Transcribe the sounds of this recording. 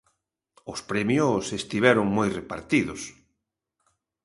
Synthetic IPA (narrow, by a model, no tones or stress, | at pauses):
ʊspɾɛmjosest̪iβɛɾʊŋmojrepaɾt̪iðʊs